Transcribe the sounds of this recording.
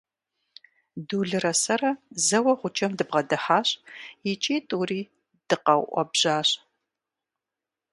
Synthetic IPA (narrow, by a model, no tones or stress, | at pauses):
duːɮɨrɐsɐrɐzɐwɐʁʷʊt͡ʃʰʼɐmdɨbʁɐdɐħaːɕʼjɪt͡ʃʼiːtʼuriː | d̥ɨqɐwʔʷɔ̰bʑ̥aːɕʼ